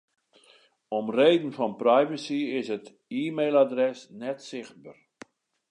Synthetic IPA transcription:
ɔmreːdən̩fɔnprɛjvəsiɪsət | iːmejlˠadrɛsnɛtsɪxt̚bər

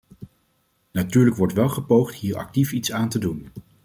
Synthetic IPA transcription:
natyːɹləkʋɔɹtʋɛlˠχəpowχtɦiːɹɑ̰k̚tifitsaːntədun

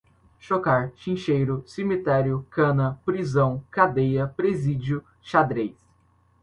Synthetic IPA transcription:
ʃokaɾʃĩʃejɾʊsemit̪ɛɾjʊkɐ̃nɐpɾizɐ̃w̃kad̪ejɐpɾezid͡ʒiʊ | ʃad̪ɾejs

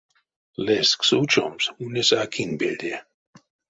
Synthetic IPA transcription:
lesksut͡ʃɔ̰msunesakʰinbeld̪e

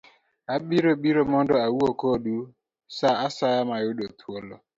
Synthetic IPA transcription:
aɓiɾobiɾomɔndɔawuokoɗu | saasajamajʊɗotʰwolɔ

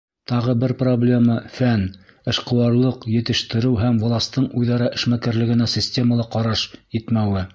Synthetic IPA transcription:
t̪ɑʁɤbɘɾproblʲe̞mɑfæn | ɘ̆ʃqɤ̆wɑɾlˠɤqjɘ̆t̪ɘ̆ʃt̪ɘ̆ɾɘwɦæmvŏlˠɑst̪ɤɴujðɑɾɑʔɘ̆ʃmækæɾlɘ̆ɡɘ̆næsʲisʲtʲe̞məlˠɑqɑɾɑʃjɘt̪mæwɘ

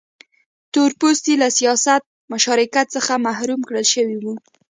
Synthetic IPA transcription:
t̪oɾpost̪ilasijɑsat̪̚mʊʃɑɾɪkat̪səxamahɾumkɽəlʃəwiwu

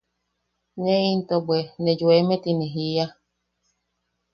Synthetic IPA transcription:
nẽint̪obwenẽd͡ʒuemẽt̪inẽɦia

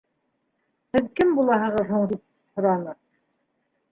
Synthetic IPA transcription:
hɘðkɘmbulˠɑɦɤ̆ʁɤðhuɴd̪ip̚ | hŏɾɑnɤ

